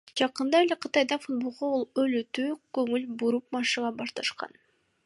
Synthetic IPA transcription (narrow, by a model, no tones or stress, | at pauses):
d͡ʒɑqɯnd̪ɑelʲeqʰɯt̪ɑjd̪ɑfud̪̚bolˠʁoolˠølyt̪yːkɵŋylbuɾup̚mɑʃɯʁɑbɑʃt̪ɑʃqɑ̰n